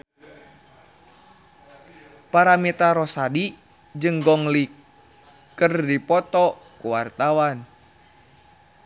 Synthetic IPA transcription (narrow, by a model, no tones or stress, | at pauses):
paɾamɛt̪aɾɔsadi | d͡ʒɨŋɡɔŋlikː | ərdipɔt̪ɔ | kuwart̪awan